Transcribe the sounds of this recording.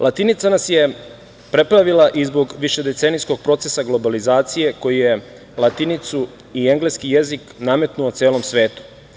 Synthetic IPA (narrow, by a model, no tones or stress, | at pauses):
lˠat̪init̪sanasje̞ | pɾe̞pɾaʋilˠaʔizbo̞ɡʋiʃe̞d̪e̞t̪senijsko̞ɡ̥̚pɾo̞t̪se̞saɡlo̞balizaːt̪sije̞ko̞jije̞ | lˠat̪init̪su | ie̞ŋɡle̞skije̞ziknaːme̞t̪nuot̪seːlo̞msʋe̞ːt̪u̥